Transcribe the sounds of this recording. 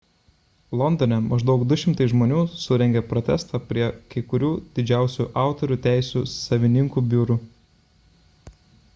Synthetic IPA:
lˠɔnd̪ɔnʲɛmɐʒd̪ɐʊkd̪ʊʃʲɪmt̪ɐɪsʒmoːnʲuːsʊɾʲɛŋʲɡʲepɾɔt̪ʲɛst̪ɑpʲɾʲiɛkɐɪkʊɾʲuːd̪ʲɪd͡ʒʲæˑʊsʲuʔɑˑʊt̪ɔɾʲuːt̪ʲæˑɪsʲuːsɐʋʲɪnʲɪŋkuːbʲuːɾuː

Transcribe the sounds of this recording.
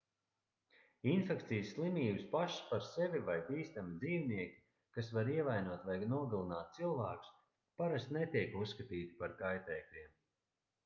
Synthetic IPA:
infɛkt̪sijsːlˠimiːbɨspaʃspaɾsɛvivajbiːst̪amid̪ziːvniɛkʲi̥ | kasvaɾiɛvajnuɔt̪vajnuɔɡalˠinaːt̪̚t̪silˠvaːku̥s | paɾast̪nɛt̪iɛkusːkat̪iːt̪i̥paɾkajt̪ɛːklʲiɛm

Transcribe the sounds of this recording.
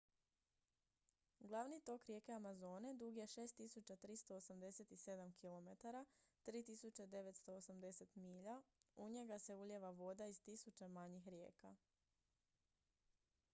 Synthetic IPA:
ɡlˠaʋnit̪o̞kɾʲje̞ke̞amazo̞ːne̞d̪uɡjeʃe̞ːst̪ːisut͡ɕat̪ɾist̪o̞ːsamd̪e̞se̞t̪ise̞d̪amkʰilo̞met̪aɾat̪ɾiːt̪isut͡ɕed̪e̞ʋe̞t̪st̪o̞osamd̪e̞se̞t̪miːʎauɲe̞ɡase̞uʎeʋaʋo̞d̪aiz̥t̪isut͡ɕemaɲixɾje̞ːka

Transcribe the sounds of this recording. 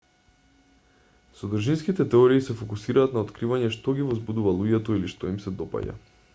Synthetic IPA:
sɔd̪r̩ʒinskit̪ɛt̪ɛɔɾiːsɛfɔkusiɾaːt̪naot̪kɾivaɲɛʃt̪ɔɡivɔzbud̪uvalˠuɟɛt̪ɔiliʃt̪ɔimsɛd̪ɔpa̰ɟa̰

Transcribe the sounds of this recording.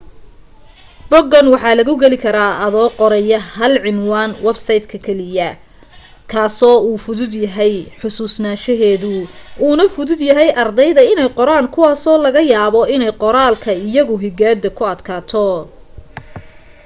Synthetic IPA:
b̥ɔɡɐnwɑħɑːlɐɣʊɡɛlɪkʰɐɾaːʔɐðɔːqɔɾɛjɐhɐlʕɪnwaːnwɛbsɐjd̪kʰɐkʰɛlɪjɐ | kʰaːsɔːuːfʊðʊd̪jɐɦɛjħʊsuːsnaːʃɐɦɛːðʊuːnɐfʊðʊd̪jɐɦɛjʔɐrd̪ɛjðɐɪnɛjqɔɾaːŋkʰʊwaːsɔːlɐɣɐjaːβɔɪnɛjqɔɾaːlkʰɐɪjɐɣʊɦɪɡaːd̪ɐkʰʊɐd̪kʰaːt̪ʰɔ

